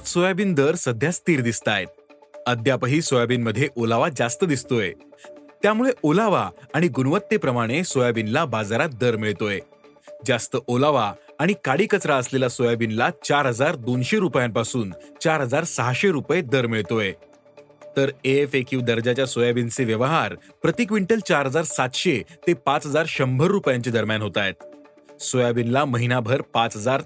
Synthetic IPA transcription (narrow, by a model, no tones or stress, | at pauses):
t͡ssojabiːnd̪əɾsəd̪ʱjast̪iːɾd̪ist̪ajt̪̚ | əd̪ʱjapəɦiːsojabiːnməd̪ʱːjeʔolaʋad͡zast̪əd̪ist̪oet̪jamuɭeʔolaʋaaɽ̃iɡunʋət̪ːepɾəmaɽ̃esojabinlabad͡zaɾat̪̚d̪əɾmiɭt̪oje | d͡zast̪əʔolaʋaːɽ̃ikaɽiːkət͡sɾaəslelasojabinlat͡ɕaɾɦəd͡zaɾd̪onɕeɾupjãmpasuːnt͡ɕaɾɦəd͡zaɾsəɦaɕeɾupjed̪əɾmiɭt̪oje | t̪əɾeefekjuʋd̪əɾd͡ʑat͡ɕjasojabint͡seʋjəʋəɦaɾpɾət̪ikʋiɳʈəlt͡ɕaɾɦəd͡zaɾsat̪ɕet̪epat͡sɦəd͡zaɾɕəmbʱəɾːupjãɲt͡ɕed̪əɾmjanɦot̪ajt̪ | sojabinlaməɦinabʱəɾpat͡sɦəd͡zaɾ